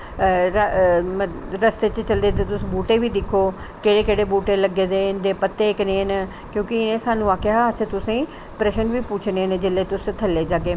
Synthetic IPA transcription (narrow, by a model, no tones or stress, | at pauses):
ɾmɾəst̪eːt͡ʃt͡ʃəld̪eːt̪̬et̪ʊsĩːbuːʈeːʋiːd̪ɪkʰːoː | keːɽeːkeːɽeːbuːʈeːləɡeːd̪eːɪnd̪eːpət̪ːeknẽːn | kjõːkɪɪnẽːsaːnũːʋaːkeaɦaəsẽːt̪ʊsẽː | pɾɛːʃənʋiːpuːt͡ʃʰnened͡ʒeleːt̪ʊst̪ʰəlːeːd͡ʒaːkeː